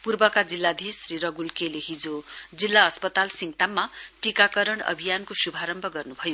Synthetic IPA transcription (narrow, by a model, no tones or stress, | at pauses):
purbʌkad͡zilːad̪ʱisriɾʌɡulkeleɦid͡zod͡zilːaʌspʌt̪alsimt̪amːaʈikakʌɾʌɽʌ̰bʱijankosubʱaɾʌmbʱʌɡʌrnubʱʌjo